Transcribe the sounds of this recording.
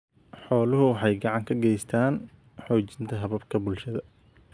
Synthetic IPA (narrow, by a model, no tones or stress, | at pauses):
ħɔːlʊɦʊwɑħɑjɡɑʕɑŋkʰɐɡɛjst̪ʰaːn | ħɔːt͡ʃɪ̥nt̪ʰɐɦɐβɐbkʰɐbʊlʃɐðɐ